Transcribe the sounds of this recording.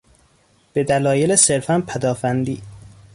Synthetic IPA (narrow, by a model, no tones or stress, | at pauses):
b̥e̞d̪ælɒːjelese̞ɾfænpʰæd̪ɒːfænd̪ḭː